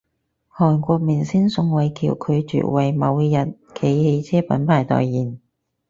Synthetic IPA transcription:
hɔː˨˩nkʷɔː˧k̚miː˨˩nsiː˥nsʊ˧ŋwɐ˨jkʰḭː˨˩wkʰɵ˨˧ɥt͡ʃy̰˨ʔ̚wɐ˨˩jmɐ˨˧wjɐ˨t̚ | kʰe˨˧˥jhe˧jt͡sʰɛː˥pɐ̰˨˥npʰaː˨˩jt̪ɔ̰ː˨˩jːiː˨˩n

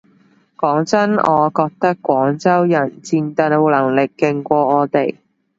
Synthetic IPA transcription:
kɔː˨˥ŋt͡sɐ˥nɔ̰ː˨˧kɔː˧k̚t̪ɐ˥kːʷɔː˨˥ŋt͡sɐ˥wjɐ˨˩nt͡siː˧nt̪ɐ˧n˧wlɐ˨˩ŋlɪ˨kːɪ˧ŋkʷɔː˧ŋɔː˨˧t̪e˨˩j

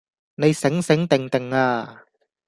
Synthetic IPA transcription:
ne˨˧jsɪ˨˥ŋsɪ˨˥ŋt̪ɪ˨ŋt̪ɪ˨˩ŋaː˧

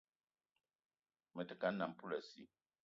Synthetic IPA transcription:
mə˨tə˨ka˨˦nːa˨m̩˨pu˦la˨sḭ˦

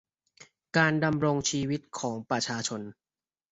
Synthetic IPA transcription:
kaː˧nda˧mɾo˧ŋt͡ɕʰiː˧wi˦˥t̪̚kʰɔː˩˦ŋpɾa˧t͡ɕʰaː˧t͡ɕʰo˧n

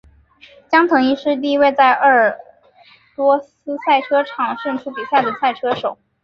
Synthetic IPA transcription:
t͡ɕjɑ˥ŋt̪ʰɤ˧˥ŋi˥˧ʂɻ̩˥˧t̪̬i˥˧i˥we˥˧ɪt͡sa˥˧ɪʔə˞˥˩ | lwɔ˥s̩˥sa˥˩ɪʈ͡ʂʰɤ˥ʈ͡ʂʰɑ˨˩˦ŋʂə˥˧ŋʈ͡ʂʰu˥pi˨˩ɕja˥˩d̪ə˩sa˥˩ɪʈ͡ʂʰɤ˥ʂo˨˩˦ʊ

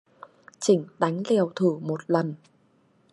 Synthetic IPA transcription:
t͡ɕï˧˩ŋ̟ɗa˨˦jŋ̟lɛ˨˩əwt̪ʰɨ˧˩mo˨˩t̚lə˨˩n

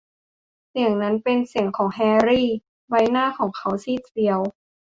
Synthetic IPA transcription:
si˨˩əŋna˦˥npe˧nsi˨˩˦əŋkʰɔː˩˦ŋɦɛː˧ɾiː˥˩ | wa˧˥jnaː˥˩kʰɔː˩˦ŋkʰa˦˥wsiː˥˩t̪̚si˧əw

